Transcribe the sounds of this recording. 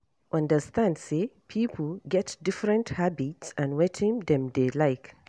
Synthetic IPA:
ʔʌ̃ndəstãndsepʰipʰl̩ɡɛtdɪfɹɛ̃nthabitsãnwɛtʰĩmd̪ɛ̃mdelaɪk

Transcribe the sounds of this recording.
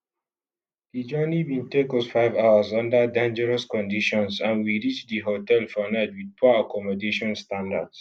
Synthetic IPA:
did͡ʒɜnibĩntekɔfaɪvawəzɔ̃ndədãnd͡ʒəɹəskɔ̃ndiʃɔ̃nsãnwiɹit͡ʃdiɦotɛlfɔnɛd̚wid̚pɔakɔmɔdeʃɔ̃nstãnda̰ds

